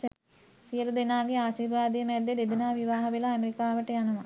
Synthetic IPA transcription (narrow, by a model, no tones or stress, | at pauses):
sijəlud̪enaːɡeaːʃiːrʋaːd̪ijəmɛd̪jed̪ed̪inaːʋiʋaːɦɐʋelaːmeɾikaːʋəʈəjanɐʋa